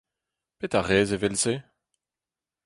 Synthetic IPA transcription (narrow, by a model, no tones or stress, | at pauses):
pet̪aʁɛːzevɛlse